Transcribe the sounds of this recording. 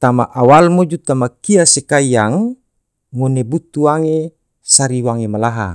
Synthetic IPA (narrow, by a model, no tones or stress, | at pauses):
t̪amaʔawalmod͡ʒut̪amakiasekaijaŋ | monebut̪uwaŋe | saɾiwaŋemalaɦa̰